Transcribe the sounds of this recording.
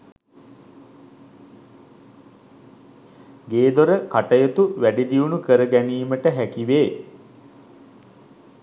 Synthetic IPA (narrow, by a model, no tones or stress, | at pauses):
ɡeːd̪oɾəkaʈəjət̪uʋæɖid̪iunukəɾəɡæniːməʈəɦækiʋeː